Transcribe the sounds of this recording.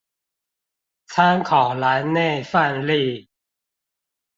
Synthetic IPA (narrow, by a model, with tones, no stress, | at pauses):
t͡sʰa˦˥nkʰɔː˨˩la˨˦nne˥˩fa˥˧˨nli˥˩